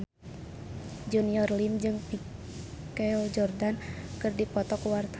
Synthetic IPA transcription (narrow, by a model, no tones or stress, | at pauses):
d͡ʒuniɔrlimd͡ʒɨŋpi | kɛɔd͡ʒɔrdankɨrdipɔt̪ɔkuwart̪a